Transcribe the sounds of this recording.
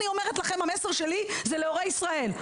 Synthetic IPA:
nio̞me̞ʁet̪laχe̞mhame̞seʁʃe̞lizeleoʁejisʁae̞l

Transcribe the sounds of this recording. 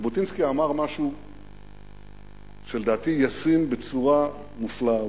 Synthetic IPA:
bot̪inskiamaʁmaʃu | ʃeld̪aːt̪ijasimbet͡suʁa | mufla

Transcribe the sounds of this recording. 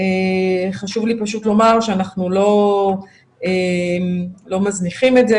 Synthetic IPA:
eχaʃuvlipaʃut̪lo̞maʁʃeanaχnulo̞ | emlo̞mazniχimetze

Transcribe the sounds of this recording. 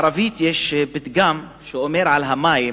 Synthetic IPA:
ɾavit̪jeʃbit̪ɡam | ʃeʔomeɾʕalɦamaːji

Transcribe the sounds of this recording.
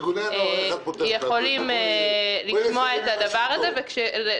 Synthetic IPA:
ejeχo̞lim | liʃmoaetad̪avaʁazevekʃele

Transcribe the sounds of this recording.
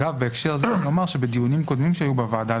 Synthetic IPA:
ɡavbeːkʃeʁzenomaʁʃebed̪ijunimko̞d̪mimʃeajubevaad̪a

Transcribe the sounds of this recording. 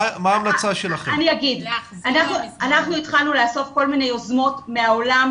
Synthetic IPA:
maːmlat͡saʃelaχeaniaɡidʔanaχnuanaχnuitχalnuleaso̞fko̞lminejo̞zmo̞tmeaolam

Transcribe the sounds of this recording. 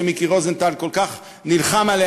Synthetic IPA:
emikiʁozent̪alkolkaχ | nilχamale

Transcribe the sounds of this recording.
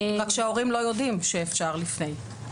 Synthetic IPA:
ʁakːʃeaoʁimlo̞jo̞dimʃeːfʃaʁlifnej

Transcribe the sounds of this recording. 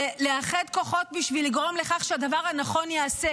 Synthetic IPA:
leaχed̪ko̞χo̞t̚biʃviliɡʁo̞mle̞χaχʃead̪avaʁhanaχo̞njeːse

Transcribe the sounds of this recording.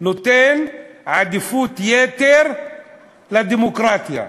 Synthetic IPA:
nut̪enʕad̪ifut̪jet̪eɾ | lad̪imokɾat̪ija̰

